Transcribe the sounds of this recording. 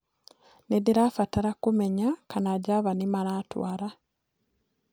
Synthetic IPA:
nidiɾafataɾakumeɲakanaɟaβanimaɾaːtwaɾa

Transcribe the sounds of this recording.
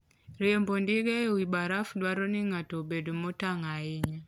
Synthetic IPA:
rɛombondiɡɛwibaɾafdwaɾoniŋatobedomotaŋaɪɲa

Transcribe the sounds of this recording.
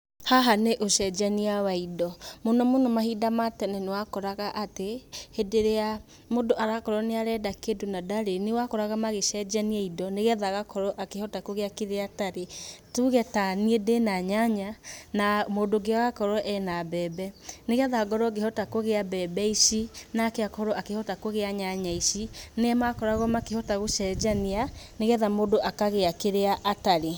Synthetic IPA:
haɦaneʔoʃɛd͡ʒaniawaidɔmonɔmonɔmaɦidamatɛnɛnewakɔɾaɣaʔatehedeɾea | modoʔaɾakɔɾɔneaɾɛdakedonadaɾenewakɔɾaɣamaɣeʃɛd͡ʒaniaidɔneɣɛðaɣakɔɾɔʔakehɔtakoɣeakeðeataɾetuɣɛtaniedenaɲaɲanamoːdoɡeaɣakɔɾɔʔɛnabɛːbɛneɣɛðaɡɔɾɔɡehɔtakoɣeabɛbɛiʃinakeakɔɾɔakehɔtakoɣeaɲaɲaiʃineɛmakɔɾaɣɔmakehɔtaɣoʃɛd͡ʒanianeɣɛðamodoʔakaɣeakeɾeaʔataɾe

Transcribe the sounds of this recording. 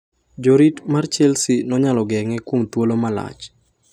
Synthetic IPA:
d͡ʒoɾitmart͡ʃɛlsinɔɲalɔɡɛŋɛkwomt̪wolomala̰t͡ʃ

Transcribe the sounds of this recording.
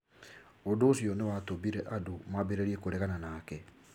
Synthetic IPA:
ondoːsjɔnewatobiɾɛʔadumabeɾeɾiekoɾeɣananaːkɛ

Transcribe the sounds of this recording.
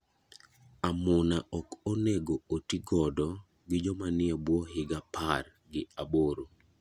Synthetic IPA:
amʊnaʔɔkoneɡootiɡɔdɔ | ɡɪd͡ʒɔmanɪɛbwɔhɪɡapʰar | ɡɪaboɾo

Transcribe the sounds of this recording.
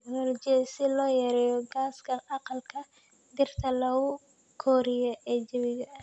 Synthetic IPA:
ɡnɔld͡ʒɪsɪlɔːjɐɾɛːjɔɡaːskʰɐʔɑqɑlkʰɐ | d̪ɪrt̪ʰɐlɐʊ | kʰɔːɾɪjɐʔɛːd͡ʒɪβɪɣɐ

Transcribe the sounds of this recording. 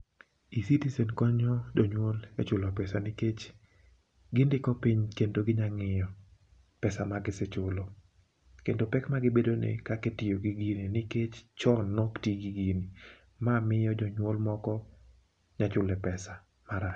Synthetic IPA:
isitisenkɔɲɔd͡ʒɔɲwolɛ̰t͡ʃʊlɔpɛsanɪket͡ʃ | ɡɪndɪkɔpiɲkendoɡɪɲaŋɪjɔ | pɛsamaɡɪsɪt͡ʃʊlɔ | kendopɛkmaɡɪbedonḛkaketɪjoɡiɡininɪket͡ʃt͡ʃɔnːɔktiɡiɡini | mamɪjɔd͡ʒɔɲwolmɔkɔ | ɲat͡ʃʊlɛpɛsa | maɾat͡ʃ

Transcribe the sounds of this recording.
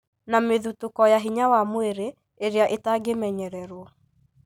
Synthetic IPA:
nameðutokɔjaɦiɲawamoeɾe | eɾeaʔetaɡemɛɲɛɾɛɾwɔ

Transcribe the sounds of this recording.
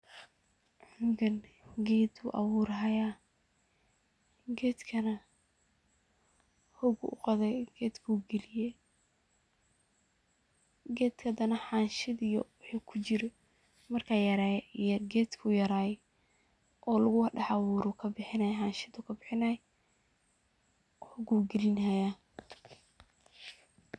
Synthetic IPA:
ʕʊŋɡɐn | ɡɛːd̪ʊ̰ʔɐwuːɾɦɐjaː | ɡɛːd̪kʰɐnɐ | hʊɡʊ̰ʔʊ̰qɔðɛjɡ̥ɛːd̪kʰuɡɛlɪjɛ | ɡɛːd̪kʰɐd̪ɐnɐħaːnʃɪd̪ijɔwʊħikʰʊt͡ʃɪɾɪ | mɐrkʰaːjɐɾaːjɛijɐɡɛːd̪kʰʊjɐɾaːjɛ | ʔɔːlʊɣʊwɖɑħawʊːɾʊkʰɐbɪħɪnɐjħɑːnʃɪd̪ʊkʰɐbɪħɪnajɛ | ʊɡuːɡɛlɪnaja

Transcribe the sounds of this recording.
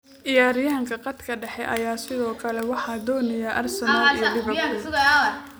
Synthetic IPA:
ʔɪjaːɾɪjaːŋkʰɐqɑd̪kʰɐɖɛħɛʔɐjaːsɪðɔːkʰɐlɛwɑħɑːd̪ɔːnɐjɐʔɐrsɐnaːijdɪɐ

